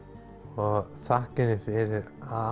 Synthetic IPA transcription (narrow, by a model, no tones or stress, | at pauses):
ɔɣθahkɪnɪfɪɾɪɾa